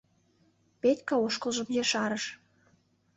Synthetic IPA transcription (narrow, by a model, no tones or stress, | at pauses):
pet̪ʲkɑoʃkə̆lˠʒə̆mjeʃɑɾəʃ